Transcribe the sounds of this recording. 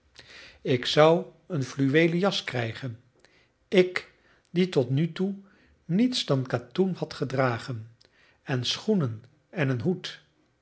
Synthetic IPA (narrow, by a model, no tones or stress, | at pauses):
ɪksʌw | ənflyʋejləjɑskrɛjχən | ɪk | ditɔtnytu | nitsdɑnkatumhɑtχədraːχən | ɛnsχunən | ɛnənɦut